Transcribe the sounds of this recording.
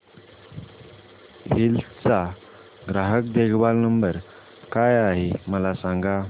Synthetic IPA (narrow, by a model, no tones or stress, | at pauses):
hilt͡sa | ɡɾaɦəkd̪eɡʋalnəmbəɾ | kajaɦeməlasaŋɡa